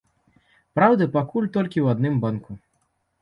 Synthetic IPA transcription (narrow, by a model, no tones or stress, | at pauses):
pɾawd̪ɐpakulʲt̪ɔlʲkʲiwad̪nɨmbanku